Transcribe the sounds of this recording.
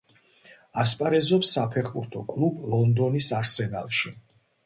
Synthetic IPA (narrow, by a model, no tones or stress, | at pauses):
aspʼaɾɛzɔpsːapʰɛχbuɾt̪ʰɔkʼlˠublˠɔnd̪ɔnisaɾsɛna̰lˠʃi